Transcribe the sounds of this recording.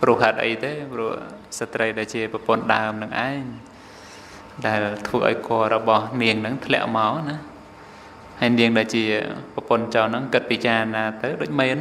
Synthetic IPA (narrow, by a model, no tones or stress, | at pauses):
prʊəhɦhaːt̪̚ʔə̰jt̪eːprŭəhsat̪rəjɗaɛlt͡ɕiəprɑpʊ̆ənɗa̰əmnɨŋʔaɛŋ | ɗaɛlt̪ʰʋəːʔa̰ɔjkŏəɾɔɓɑhniəŋnɨŋt̪ʰlɛ̆əʔmaɔna | hajniəŋɗaɛlt͡ɕiəprɑpʊ̆ənt͡ɕaːnɨŋkɨt̪̚piːt͡ɕaːnaːt̪ɨwɗoːc̚meːn